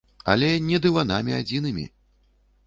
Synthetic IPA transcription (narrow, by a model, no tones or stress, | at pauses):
a̰lʲɛnʲɛd̪ɨvanamʲiad͡zʲinɨmʲḭ